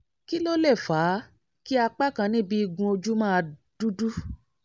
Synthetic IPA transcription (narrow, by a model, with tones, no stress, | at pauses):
ki˦lo˦le˦˨faː˨˦ | ki˦a˧k͡pa˦kã˧nĩ˦bi˦i˧ɡũ˧o˧d͡ʒu˦mãː˦˧d̥u˦du˦